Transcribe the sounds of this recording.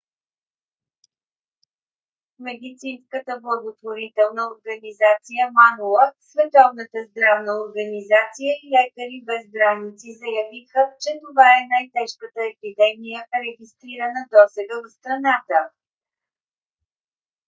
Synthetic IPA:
mɛd̪it̪sinskət̪əblˠəɡot̪voɾit̪ɛlˠnəoɾɡənizat̪sijəmanulˠəsvɛt̪ɔvn̪ət̪əzd̪ɾavnəoɾɡənizat̪sijəilɛkəɾibɛzbɾanit̪sizɐjɐvixət͡ʃɛt̪ovaɛnajt̪ɛʃkət̪əɛpid̪ɛmijəɾɛɡʲist̪ɾiɾənəd̪ɔsɛɡəvot̪st̪ɾɐnat̪ə

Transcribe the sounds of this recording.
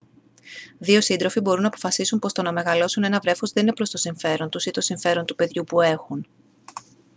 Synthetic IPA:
ðio̞sind̪ɾo̞fibo̞ɾunɐpo̞̥fɐsisumpo̞st̪onɐme̞ɣɐlo̞sune̞nɐvɾe̞fozðe̞ninepɾo̞st̪o̞siɱfe̞ɾo̞nt̪usit̪o̞siɱfe̞ɾo̞nt̪upe̞ðʝupue̞xun

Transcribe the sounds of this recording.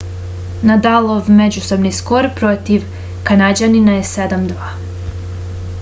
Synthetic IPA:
nad̪alˠoʋmed͡ʑuso̞bnisko̞ɾpɾo̞t̪iʋ | kanad͡ʑaninajese̞d̪amd̪ʋaː

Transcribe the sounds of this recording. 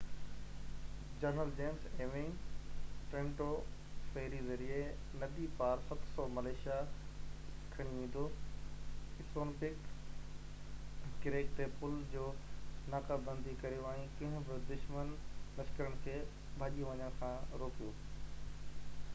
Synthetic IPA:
d͡ʑɐɾnəld͡ʑeːnseːʋɪ̃ŋ | ʈɾẽːɳʈofeɦɪɾizɐɾie | nɐd̪ipaːɾsɐt̪sɔmɐleːʃija | kʰːɐɽ̃iʋẽːn̆d̪o | ɪsoːnpɪk | ɪɾeːkt̪epʊld͡ʑoːnaːkabɐ̃nd̪ikɐɾijoaːɦĩkɐ̃ɦʊ̃bɪd̪ʊʃmənlɐskəɾəɽ̃əkʰeː | bʱaːʄiʋɐɲəɽ̃kʰãːɾoːkijoː

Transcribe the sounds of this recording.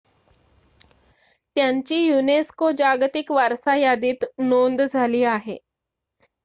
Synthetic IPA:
t̪jaɲt͡ɕiːjuneskod͡ʑaɡt̪ikʋaɾsajad̪iːt̪nond̪d͡zʱaliːaɦe

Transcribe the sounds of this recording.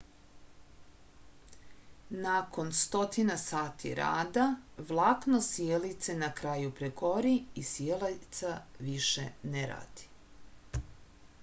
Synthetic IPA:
nako̞nst̪o̞t̪inasaːt̪ʰḭɾa̰ːd̪aʋlˠaːknosjelit̪senakɾaːjupɾeɡo̞ɾiisjelat̪saʋiʃḛneɾa̰ːd̪̥i̥

